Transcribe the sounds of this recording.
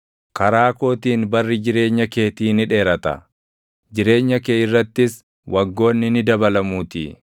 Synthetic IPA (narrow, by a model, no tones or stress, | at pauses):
kɐɾaːko̞ːt̪iːnbɐrːɪd͡ʒɪɾe̞ːɲːɐke̞ːt̪iːnɪᶑe̞ːɾɐt̪ɐ̰ | d͡ʒɪɾe̞ːɲːɐkeːɪrːɐt̪ːɪs | wʔɐɡːo̞ːnːɪnɪd̪ɐbɐlɐmuːt̪ḭː